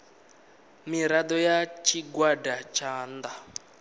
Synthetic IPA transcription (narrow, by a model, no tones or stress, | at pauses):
miɾad̪ɔjat͡ʃʰiɡwadat͡ʃʰaːnd̪a